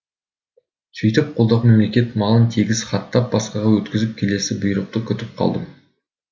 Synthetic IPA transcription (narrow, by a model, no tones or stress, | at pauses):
sʰʏjt̪ɪp̚qʰo̞lˠd̪ɑqme̞mle̞kʲe̞t̪mɑlˠənt̪ʰeɡʲɪzχɑt̪ːɑp̚bɑsqɑʁɑwɵt̪kʲɪzɪp̚kʲʰe̞le̞sɪbʊjɾəq̚t̪əkʲʰʏt̪ɪp̚qʰɑ̰lˠd̪əm